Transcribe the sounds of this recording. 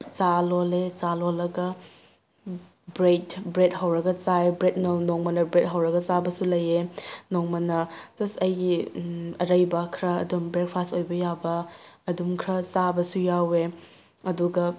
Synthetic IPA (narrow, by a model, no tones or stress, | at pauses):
t͡ʃalolet͡ʃalolːɐɡɐ | bɾetbɾet̚ɦɐwɾɐɡɐt͡ʃaebɾet̚nonoŋmɐnɐbɾet̚ɦɐwɾɐɡɐt͡ʃabɐsulɐjenoŋmɐnɐzɐsɐjɡiɐɾɐjbɐkʰɾɐɐ̰dumbɾek̚pʰasojbɐjabɐːdumkʰɾɐt͡ʃabɐsujawe | ɐduɡɐ